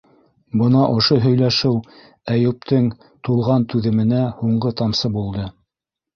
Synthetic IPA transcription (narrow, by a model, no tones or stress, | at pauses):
bɤ̆nɑʔŏʃoɦɵ̆jlæʃɘw | æjʉ̆p̚t̪ɘŋ | t̪ulˠʁɑnt̪ʉðɘ̆mɘ̆næhuɴɢɤt̪ɑmsɤbulˠd̪ɤ